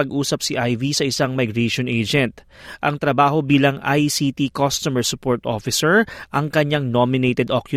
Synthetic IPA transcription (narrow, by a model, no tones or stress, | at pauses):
ɐɡʔuːsɐp̚siʔajvisɐʔɪsaŋmɐjɡɹeʃonʔejd͡ʒɛnt̪̚ʔɐŋt̪ɾɐbaːho̞biːlɐŋʔa̰jsit̪ikost̪umɛɹsʊpoɹt̪ʔoːfɪsɛɹʔɐŋkɐɲaŋnomɪnejt̪ɛd̪ʔokjʊ